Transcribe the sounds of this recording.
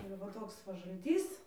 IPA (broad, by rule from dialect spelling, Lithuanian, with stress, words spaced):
ɪr ʋɐ ˈtoːks ʋɐ ʒɐlʲˈtʲiːs